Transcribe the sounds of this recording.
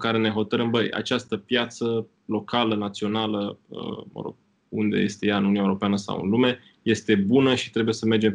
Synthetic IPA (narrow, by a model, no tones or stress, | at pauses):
kaɾe̞ne̞ɦo̞t̪əɾəmbəja̰t͡ʃast̪əpjat̪sə | lo̞kalənat̪sio̞naləə̰mə̰ɾo̞̰ɡ̥ | und̪e̞̰je̞st̪e̞jaɨnununaewuɾo̞peanəsa̰wɨ̰nlume̞ | je̞st̪e̞bunəʃi̥t̪ɾe̞bujesəmerd͡ʒe̞m